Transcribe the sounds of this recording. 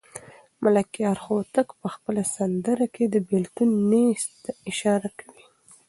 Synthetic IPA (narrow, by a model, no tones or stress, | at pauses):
malakjɑɾxot̪əkpəxpəlasand̪əɾaked̪əbɪlt̪unːest̪ɪʃɑɾakʰḁwi